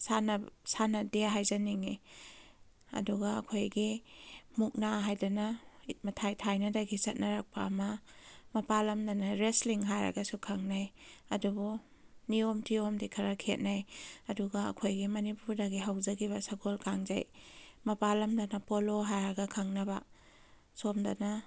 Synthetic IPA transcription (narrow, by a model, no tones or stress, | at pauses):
sanɐsanɐdeɦajzaniŋi | ɐ̰duɡaɐ̰kʰojɡimuk̚naɦajdɐnɐit̚mɐtʰajtʰajnɐdɐɡisɐt̚nɐɾak̚pɐːmɐmɐpalɐmdanɐɾesliŋɦajɾɐ̰ɡɐsukʰaŋnajɐdubu | niomtiomdikʰɐɾakʰet̚najɐduɡaɐ̰kʰojɡimɐnipuɾdaɡiɦawzɐɡiβɐsaɡolkaŋza̰jmɐpalɐmdɐnɐpoloɦajɾɐɡɐkʰaŋnɐba | somda̰na